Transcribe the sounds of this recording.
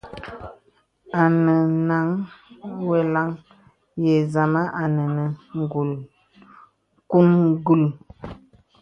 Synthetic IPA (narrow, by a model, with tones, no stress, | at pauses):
a˨nə˨na˨˦ŋ | we˨la˦ŋ | je˨za˨ma˦ʔa˨nə˨nə˨ŋ˨ɡu˨l | ku˦nɡu˦˨l